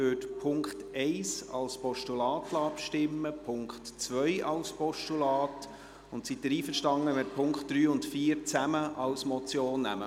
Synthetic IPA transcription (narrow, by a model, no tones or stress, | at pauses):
øːtpʰʊŋktɛɪsɑ̰lspɔʃtulɑːtlɑːpʃtɪmːəpʰʊŋkχtt͡sʋœjʔɑlspɔʃtulɑːt | ʊnt̪sidəɾiːfəɾʃtɑŋːəmɪɾpʰʊŋkχtd̥ɾyːʊntfiːəɾt͡sæməʔɑwsmɔt͡sjoːnːæ̰mə̰